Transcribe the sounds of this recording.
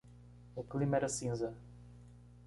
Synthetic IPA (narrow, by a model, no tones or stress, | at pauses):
ʊklimɛɾɐsĩzɐ